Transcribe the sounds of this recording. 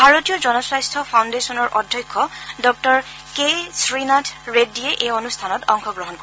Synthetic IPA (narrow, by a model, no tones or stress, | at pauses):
bʱaɹotijɔzɔnɔsɹajstʰɔpʰawndesɔnɔɹʔɔdʱjɔjkʰːɔdɔk̚tɔɹ | kesɹinatʰɹedːieʔejonustʰanɔtɔŋxɔɡɹɔɦɔnkɔ